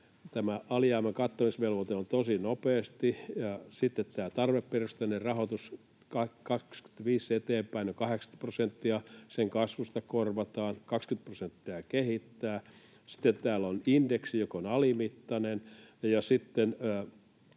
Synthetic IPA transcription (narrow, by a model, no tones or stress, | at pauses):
t̪æmæʔɑlijɑːmekɑt̪ːomisʋelʋot̪eont̪osinopeːst̪ijɑsit̪ːet̪t̪æːt̪ɑrʋepːerust̪ænerɑhot̪us | kɑkɑksky̥t̪ʋiːset̪eːmpæinokɑheksɑ̥prosent̪ːiɑseŋkɑsʋust̪ɑkorʋɑt̪ɑːnkɑkskynt̪̚prosent̪ːiɑkehit̪ːæː | si̥t̪ːet̪t̪æːlonindeksijokonɑlimit̪ːɑnenjɑsit̪ːenː